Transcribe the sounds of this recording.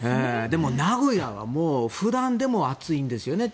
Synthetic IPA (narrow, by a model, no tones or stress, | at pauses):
eːd̪e̞mo̞naɡo̞jaβa̰moːɸɯ̟d̪ãnd̪e̞mo̞at͡sɨĩnd̪e̞sɨjo̞ne̞